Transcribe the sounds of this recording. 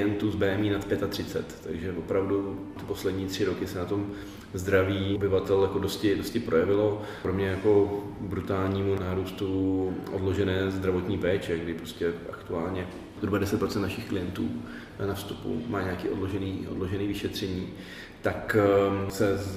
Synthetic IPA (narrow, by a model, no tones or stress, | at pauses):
jɛnt̪uːzbɛːɛmiːnat̪pjɛt̪at̪r̝̥ɪtt͡sɛ̰t̪ːa̰ɡʒɛvo̞pɾavdut̪ɪ̥po̞slɛdɲiːt̪r̝̥ɪɾo̞kɪsɛnat̪o̞m | zd̪ɾaviːobɪvat̪ɛljako̞doscɪdo̞scɪpɾʔo̞jɛvɪlo̞ | pɾomɲɛjako̞bɾut̪aːlɲiːmunaːɾuːst̪uʔo̰dlo̞ʒɛnɛːzd̪ɾavo̞t̪ɲiːpɛːt͡ʃɛɡdɪpɾoscɛʔa̰kt̪uaːlɲɛ | zɦɾubadɛsɛt̪̚pɾo̞t͡sɛnt̪naʃɪxklɪjɛnt̪ṵː | nafst̪upṵma̰ːɲakiːo̞dloʒɛniːʔo̰dlo̞ʒɛniːvɪʃɛt̪r̝̥ɛɲiː | t̪aksɛ